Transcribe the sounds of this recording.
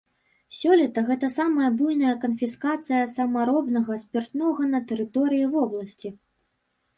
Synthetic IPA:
sʲɔlʲɛt̪ɐɣɛt̪ɐsamɐjɐbujnɐjɐkɐnfʲiskat̪sɨjɐsɐmɐɾɔbnɐɣɐsʲpʲɛrt̪nɔɣɐnɐt̪ɛɾɨt̪ɔɾɨjivɔblˠɐsʲt͡sʲi

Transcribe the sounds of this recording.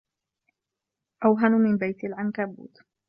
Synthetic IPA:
ʔawɦanmɪnbajt̪alʕankabṵːt̪

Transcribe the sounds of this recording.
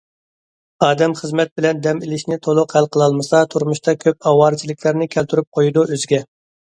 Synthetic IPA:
ɑːd̪ɛmχəzmɛt̪̚bɪlɛnd̪ɛmilɪʃnɪt̪ʰolˠʊqhælˠqʰəlˠɑlˠmɨsɑt̪ʰuɾmuʃt̪ʰɑkʲʰøp̚ɑwɑːɾɨt͡ʃʰilˠɪkʲlˠæɾnɪkʲʰælt̪ʰyɾyp̚qʰojud̪uøzɪɡʲɛ

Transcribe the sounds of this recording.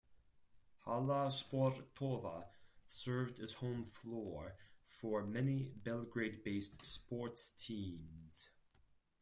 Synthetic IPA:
haləspɔɹtkʰɔvə̰sɜ˞vdɨz̥hõʊ̃ɱflɔɹfə˞mɛnibɛlˠɡɹeɪd̚beɪstspɔɹtstʰĩmz̥

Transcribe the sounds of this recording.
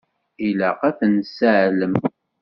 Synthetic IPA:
ilæqæfənsəʕləm

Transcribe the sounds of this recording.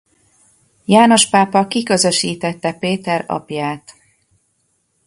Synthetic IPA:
jaːno̞ʃpaːpɒkikø̞zø̞ʃiːt̪ɛt̪ːɛpeːt̪ɛɾɒ̰pjaːt̪

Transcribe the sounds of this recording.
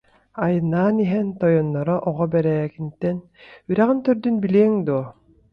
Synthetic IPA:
ajɯnːaːniɦɛnt̪ɔjɔnːɔɾɔʔɔʁɔbɛɾɛkint̪ɛn | yɾæʁint̪œɾd̪ynbiliːŋd̪uː

